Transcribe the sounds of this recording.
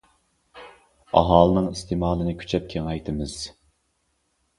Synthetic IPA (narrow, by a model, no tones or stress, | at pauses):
ɑ̰ɦɑːlˠɨnɨŋist̪ʰemɑːlˠɨnɨkʲʰy̥t͡ʃʰɛp̚kʲʰeŋɛjt̪ʰɨmɨz̥